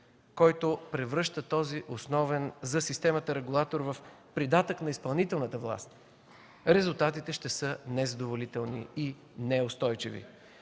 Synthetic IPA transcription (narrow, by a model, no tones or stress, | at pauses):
kɔjt̪opɾɛvɾɤʃt̪ət̪ɔziʔosnɔvɛnzɐsist̪ɛmət̪əɾɛɡulˠat̪oɾvəfpɾid̪at̪əknɐispɐlˠnit̪ɛlˠnət̪əvlˠa̰st̪ | ɾɛzulˠt̪at̪it̪ɛʃt̪ɛsɤnɛzɐd̪ovolit̪ɛlˠnḭi | nɛost̪ɔjt͡ʃḭvḭ